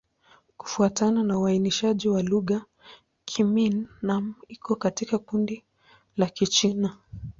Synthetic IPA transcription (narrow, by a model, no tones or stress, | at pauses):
ku̥fuatananauainiʃaʄiwaluɣa | kʰiminːamikɔkatikakundi | lakit͡ʃina